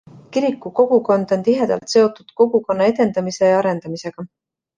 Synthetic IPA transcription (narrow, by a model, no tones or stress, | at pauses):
kiɾikːuko̞ɡ̥uko̞nd̪̥o̞nt̪iɦe̞d̪̥ɑ̰lt̪se̞o̞t̪ːˑud̪̥ko̞ɡ̥uko̞nːɑe̞d̪e̞nd̪̥ɑmise̞jɑɑɾe̞nd̪̥ɑmise̞ɡ̥ɑ